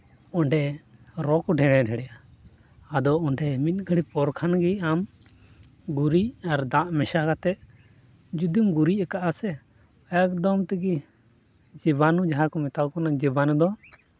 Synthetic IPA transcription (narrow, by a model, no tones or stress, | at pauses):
ɔɳɖɛɾɔkɔɖʱɛɽɛɖʱɛɽɛjaː | d̪ɔɔɳɖɛmit̪̚ˀɡʱəɽipɔɾkʰanɡiam | ɡuɾiaɾd̪aʔmɛʃakat̪ɛʔ | d͡ʒud̪imɡuɾiɛkaʔasɛ | ajak̚d̪ɔmt̪ɛɡi | d͡ʒibanud͡ʒaɦakɔmɛt̪awkɔnad͡ʒibanud̪ɔa